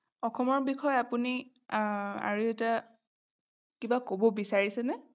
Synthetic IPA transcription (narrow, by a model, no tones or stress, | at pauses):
ɔxɔmɔɹbixʰɔjapuni | a̰ɹuɛta | kibakobɔbisaɹisɛnɛ